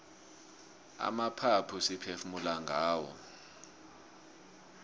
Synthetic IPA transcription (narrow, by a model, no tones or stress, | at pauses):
a̰mapʰapʰusipʰefumulaŋɡʱaːwɔ̰